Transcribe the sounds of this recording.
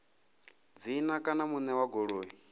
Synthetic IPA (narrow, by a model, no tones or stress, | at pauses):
d͡ziːnakʼanamunɛwaɡoɺoːɦi